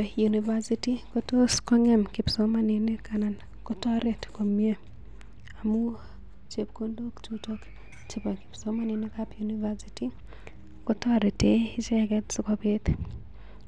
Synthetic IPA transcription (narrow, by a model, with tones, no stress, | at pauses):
ju˨ni˨va˦si˦ti˦ko˦to˦skɔ˦ŋɛ˦mkɪ˨pso˨˦mani˨ne˦ka˨na˨n | ko˦tɔ˦ɾe˨tko˨mje˦ | a˨mu˦ | t͡ʃe˨p̚ko˦ndo˦kt͡ʃu˦to˦k | t͡ʃe˨po˨kɪ̥˨pso˦ma˦ni˨ne˦kapjuni˦va˦si˦ti˦ | ko˦to˦a˨ɾe˨te˨˦ɪ˦t͡ʃɛ˦kɛ˦tso˦ko˦pe˦t̪